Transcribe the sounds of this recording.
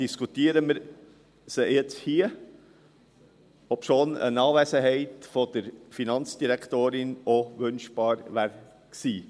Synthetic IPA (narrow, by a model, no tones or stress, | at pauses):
d̥iskut̪iːɾəməɾ | səjɛt͡shiːə | ɔpʃoːnə̰nɑːʋeːsəɦɛɪtfɔd̥əɾfinɑnt͡sd̥iɾɛkʰt̪oːɾɪnoʋœnʃb̥ɑːɾʋæːɾ | ksiː